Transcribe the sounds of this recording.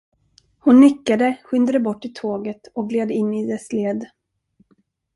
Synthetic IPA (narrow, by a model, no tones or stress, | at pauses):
hʊnːʏkːad̪əɧʏnd̪ad̪əbɔʈːɪt̪ʰoːɡət̪ɔk̚ɡleːd̪əɪnːɪd̪ɛsleːd̪